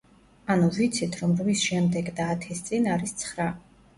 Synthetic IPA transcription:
anuvit̪sʰit̪ʰɾɔmɾvisʃɛmd̪ɛɡd̪aːt̪ʰɛst̪sʼinaɾist̪sʰχɾa

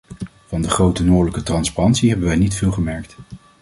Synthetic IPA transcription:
vɑndəχrowtənoːɹdələkətrɑnsparɑntsiɦɛbənʋɛjnitfɪːlˠχəmɛɹkt

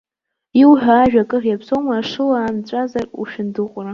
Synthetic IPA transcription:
iwħʷᶣaːʒᶣakʼɨrjapsowmaːʂɨlaːnt͡ɕʷʼazarṵʃᶣɪndɨqʷʼra

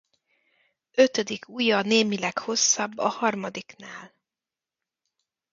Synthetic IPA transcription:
øt̪ød̪ikʰuːjɒneːmilɛkho̞sːɒbːɒhɒrmɒd̪iknaːl

